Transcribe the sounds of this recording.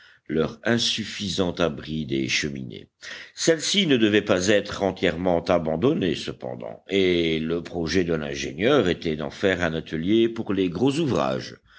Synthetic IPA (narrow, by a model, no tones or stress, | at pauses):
lœʁɛ̃syfizɑ̃t̪abʁid̪eʃəmḭnḛsɛlsinəd̪əvɛpazɛt̪χɑ̃t̪jɛʁmɑ̃t̪abɑ̃d̪ɔnesəpɑ̰̃d̪ɑ̰̃eləpχɔʒɛd̪əlɛ̰̃ʒḛnjœːʁet̪ɛd̪ɑ̰̃fɛʁɛ̃nat̪ʰəljepuʁleɡʁozuvʁa̰ːʒ